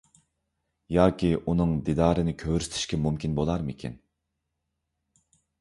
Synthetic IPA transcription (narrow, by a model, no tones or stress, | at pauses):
jɑːkʲʰiʔunɨŋd̪id̪ɑːɾɨnɪkʲʰøwɾyst̪ʰɪ̥ʃkʲɛmumkʲinbolˠɑɾmɪkʲʰḭn